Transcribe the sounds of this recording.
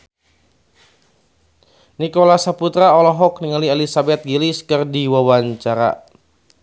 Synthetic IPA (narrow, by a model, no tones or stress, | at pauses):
nikolasaput̪ɾaɔlɔɦɔk̚niŋalielisabɛt̪̚ɡiliskɨrdiwawaɲt͡ʃaɾa̰